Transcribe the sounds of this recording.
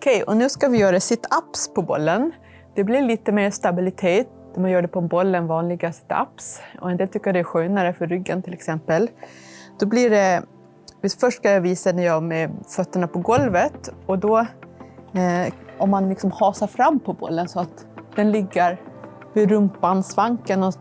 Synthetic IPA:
ɔkʰɛjɔ̰nʉ̟ːskavɪjœːɾaɖ̪ɛsɪt̪ʰapspʰɔbɔlːən | d̪̥ɛblɪɭiːt̪əmeːɾst̪abɪlɪt̪ʰeːt̪næmanjœːɖɛpʰɔbɔlːənvɑːnlɪɡasɪ̥t̪ʰa̰psɔ̰ɛnd̪eːlt̪ʏkːəjadɛæɧøːnaɾəfœɾːʏɡːənt̪ʰɪlɛksɛmpəld̪̥ɔblɪɖɛ | vɪsfœʂʈkʰanjɑviːsanæɾjɑːmɛfœt̪ːəɳapʰɔɡɔlvət̪ɔd̪ɔ | ʔɔmːanlɪksɔmhɑːsaɾfɾamːpʰɔbɔ̰lːənsɔat̪ | d̪̥ɛnlɪɡːəɾ | ɪɾɵmpːansvaŋkənɔ

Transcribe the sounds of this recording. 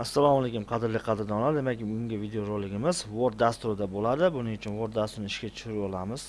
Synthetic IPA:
asːalˠɒmalekʲʊmqʰɑd̪ɪɾlɪqʰɑd̪ɪɾd̪aɒnad̪ɪd̪emakʲʊŋɡʲavid̪eoɾolːɪɡʲɪmɪzvoɾ̚d̪ast̪ʊɾɪd̪abolad̪ɪbʊnɪʊt͡ʃʰʊnvoɾd̪ast̪ʊɾnɪɪʃkʲat͡ʃ̪ʰʊ̥ʃʊɾɪpɒlˠamɪz̥

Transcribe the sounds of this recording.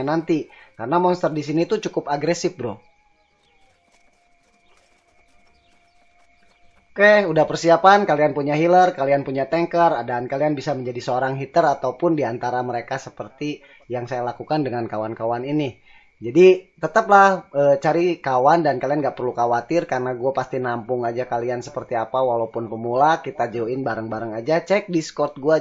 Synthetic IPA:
nant̪ikarənamɔnst̪ərdisinit̪ut͡ʃukʊpaɡɾesɪfbɾo | okɛhudahpərsiapankalianpuɲaɦilərkalianpuɲat̪ɛŋkəradaːnkalianbisaməɲd͡ʒadisəoɾaŋɦit̪əɾat̪aupʊndiant̪aɾaməɾekasəpərt̪i | jaŋsajalakukandəŋankawankawanini | d͡ʒadit̪ət̪əplahət͡ʃaɾikawandankalianɡaʔpərlukawat̪ɪrkarnaɡuapast̪inampʊŋad͡ʒakaliansə̥pərt̪iapawalaupʊnpəmulakit̪ad͡ʒaoɪnbaɾəŋbaɾəŋad͡ʒat͡ʃɛk̚diskɔrt̪̚ɡua

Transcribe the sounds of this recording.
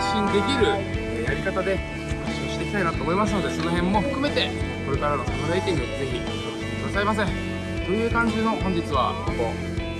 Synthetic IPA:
ɕĩnd̪e̞kʲiɾɯ̟ | jaɾʲikat̪ad̪e̞ | kaɕoɕi̥t̪ekʲit̪ainat̪oːmo̞imasɨno̞d̪e̞so̞no̞ɦẽ̞mːo̞ɸɯ̟kɯ̟me̞t̪e̞ko̞ɾe̞kaɾano̞sat̪aɾait̪einod̪eze̞çʲi | kokekɯ̟d̪asaimas̬ẽŋ | t̪o̞jɯ̟ːkãɲ̟d͡ʑino̞hõ̞ɲ̟d͡ʑit͡sɨβa̰k̪oɡo̞̰

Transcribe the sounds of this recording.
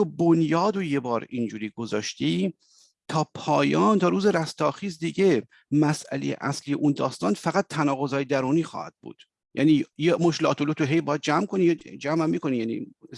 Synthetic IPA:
obonjɒːd̪oje̞bɒːɾind͡ʒuːɾiːɡozɒːʃt̪iː | t̪ʰɒːpʰɒːjɒːnt̪ʰɒːɾuːzeɾæst̪ɒːxiːzd̪iːɟe̞ | mæsʔæ̰lejḛʔæ̰slijḛʔuːnd̪ɒːst̪ɒːnfæɣæt̪ʰːænɒːɣo̞zɒːjed̪æɾuːniːxɒ̰ːhæ̰d̪̥̚bṵːd̪̥ | jæ̰ːniːjemoʃlɒ̰ːt̪ʰolot̪ʰoɦejbɒːjæd̪̚d͡ʒæmkʰonijd͡ʒæːmæmːiːko̞nijænḭː

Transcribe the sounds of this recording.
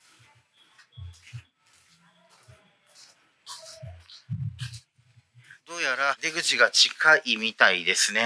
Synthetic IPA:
d̪̥o̞ːjaɾad̪e̞ɡɯ̟t͡ɕiɡat͡ɕikʰaʔimʲit̪aid̪e̞sɨne̞

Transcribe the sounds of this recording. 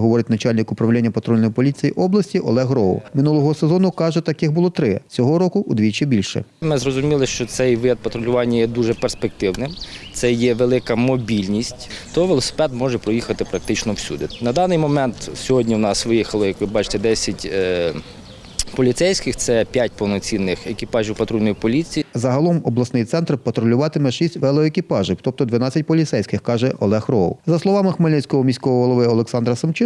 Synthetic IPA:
ɦɔʋɔɾɪtʲnɐt͡ʃɑlʲnʲɪkʊpɾɐʋelʲɛnʲːɐpɐt̪ɾɔlʲnɔjipɔlʲit͡sʲijiʔɔblˠɐsʲtʲiʔɔ̰lˠɛɦɾɔʊ̰mɪnulˠɔɦɔsezɔnʊkɑʒɛt̪ɐkɪɣbʊlˠɔt̪ɾɪt͡sʲɔɦɔɾɔkʊʔːd̪ʲʋʲit͡ʃibʲilʲʃɛ̰mɪzɾɔzʊmʲilˠɪʃt͡ʃɔt̪sɛjʋɪjʲɐt̪̚pɐt̪ɾɔlʲʊʋɑnʲːɐjɛd̪uʒɛperspek̚t̪ɪwnɪmt̪sɛjɛʋelˠɪkɐmɔbʲilʲnʲisʲtʲt̪ɔʋelˠɔsɪ̥pɛd̪mɔʒɛpɾɔjixɐt̪ɪpɾɐk̚t̪ɪt͡ʃnɔwsʲṵd̪ɪnɐd̪ɑnɪjmɔmɛnt̪sʲɔɦɔdʲnʲiwnɑsʋɪjixɐlˠɔjɐkʋɪbɑt͡ʃɪ̥t̪ɛd̪ɛsʲɐtʲː | pɔlʲit̪sɛjsʲkɪxt̪sɛpʲjat̚ʲpɔwnɔt͡sʲinːɪxekɪpɑʒiɪwpɐt̪ɾujnɔjpɔlʲit͡sʲijizɐɦɐlˠɔmɔblˠɐsnɪjt̪sɛnt̪rpɐt̪ɾɔlʲʊʋɑt̪ɪmɛʃisʲtʲʋɛlˠɔekʲɪpɑʒɪwt̪ɔp̚t̪ɔd̪ʋɐnɑt͡sʲːɐt̚ʲpɔlʲit̪sɛjsʲkɪxkɑʒɛʔɔ̰lˠɛxrɔwzɐslˠɔʋɑmɪxmelʲnɪsʲkɔɦɔmʲisʲkɔɦɔɦɔlˠɔʋɪɔlˠeksɑnd̪ɾɐsɐmt͡ʃɪ

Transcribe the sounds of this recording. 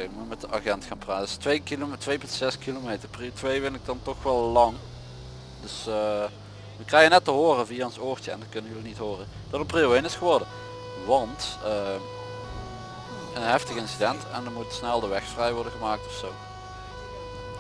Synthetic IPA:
mumɛtəʔa̰χɛntxaːnpraːtstʋejkiltʋejpəntsɛskilomejtərpritʋejvɪnɪk̚dɑntɔxʋɛlˠlɑŋ | d̥ɵsə | ʋəkrɛjənɛtəɦoːrəviaːənsoːrtəɛ̰ndɑtkɵnənjəlinitɦoːrə | d̥ɑtənpriowɪnɪsχəʋɔɹdə | ʋɑntə | ənɦɛftəɣəɪnsidɛntɛndɑnmutsnɛlˠdəʋɛxfrɛjʋɔɹdəɣəmaːk̚tɔfsow

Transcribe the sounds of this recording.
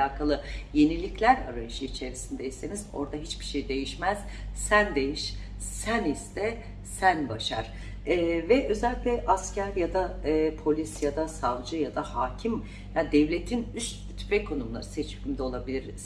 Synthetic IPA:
aːkʰalˠɯje̞nilʲiclʲæɾa̰ɾajɯʃɯit͡ʃʰe̞ɾisind̪ejisenizo̞̰ɾd̪aɦit͡ʃbiʃejid̪e̞jiʃmæz̥ | sænd̪e̞jiʃ | sænist̪ʰɛ | sænbaʃa̰ɾ̥ | vɛʔø̞zɛlʲic̪lʲɛʔascʰæɾjad̪apʰo̞lʲisjad̪asavd͡ʒɯjad̪ahaːcʰim | jad̪ɛvlʲe̞t̪ʰinyst̪ | t̪ʰy̥pʰɛkʰo̞numlˠa̰ɾɯsɛt͡ʃyimd̪ɛo̞lˠabilʲiɾz̥

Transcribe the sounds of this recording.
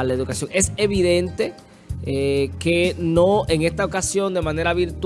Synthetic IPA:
laeðukasjo̞ŋe̞se̞βiðe̞nt̪e̞ | ke̞nõeŋe̞st̪ao̞kasjo̞nd̪e̞mãne̞ɾaβiɾt̪w

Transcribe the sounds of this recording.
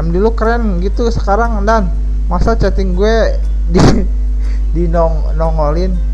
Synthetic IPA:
mdulukɾɛnɡit̪usə̥kaɾaŋdan | masat͡ʃat̪ɪŋɡuɛ | di | dinɔŋ | nɔŋolɪn

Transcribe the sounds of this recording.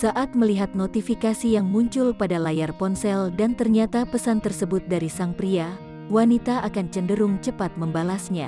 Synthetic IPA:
saʔat̪̚məliɦat̪̚not̪ifikasijaŋmuɲt͡ʃʊlpadalajarpɔnsɛldant̪ərɲat̪apəsant̪ərsəbʊt̪̚daɾisaŋpɾia | wanit̪aʔakant͡ʃəndəɾʊŋt͡ʃəpat̪̚məmbalasɲa̰

